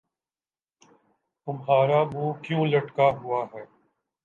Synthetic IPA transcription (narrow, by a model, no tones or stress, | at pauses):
t̪ʊmɦaːɾabuːkjũːlɐʈkaɦʊaɦɛː